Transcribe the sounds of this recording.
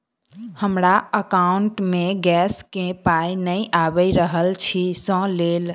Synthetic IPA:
həmɾaəkauɳʈmeɡɛskẽpajnəjʔabəjɾəɦəlt͡ʃʰisə̃lel

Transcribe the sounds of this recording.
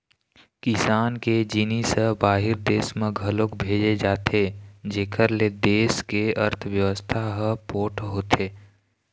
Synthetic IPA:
kɪsaːnked͡ʒɪnisəbaːɦɪɾd̪eːsmẽɡʱəlokbʱeːd͡ʒed͡ʒaːt̪ʰed͡ʒeːkʰəɾled̪eːskeəɾt̪ʰəʋjəʋəst̪ʰaɦəpoːʈɦoːt̪ʰeː

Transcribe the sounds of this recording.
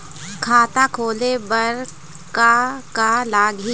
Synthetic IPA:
kʰaːt̪akʰoːlebəɾ | kakalaːɡi

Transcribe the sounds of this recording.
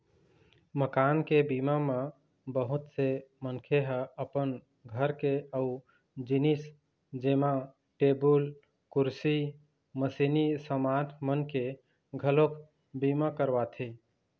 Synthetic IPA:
məkankebimame | bəɦut̪semənkʰeɦəəpən | ɡʱəɾkeəu | d͡ʒinis | d͡ʒema | ʈebul | kuɾsi | məsinisəmatʰmənke | ɡʱəlok | bimakəɾbat̪ʰi

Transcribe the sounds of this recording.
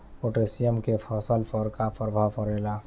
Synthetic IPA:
oʈesijəmkepʰəsəlpʰəɾkapʰəɾbʱaʋpəɾela

